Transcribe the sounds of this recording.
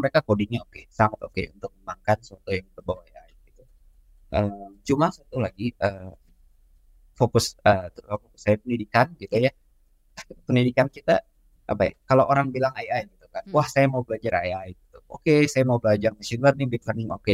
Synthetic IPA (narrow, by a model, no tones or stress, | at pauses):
məɾekakodiŋɲaokesaŋat̪okḛṵnt̪ʊk̚məmaŋkansəwat̪ojaŋbərbawaajajɡit̪u | ʔəmt͡ʃumasat̪ulaɡiə | fokʊsət̪fokʊ̥sajapənidikanɡit̪uja | pənidikankit̪a̰ | ʔa̰pa̰ja̰kaloʔoɾaŋbilaŋajajɡit̪ukanwahsajamaubəlad͡ʒara̰jajɡit̪uʔokesajamaubəlad͡ʒarmasinarnibit̪larnɪŋo̰ke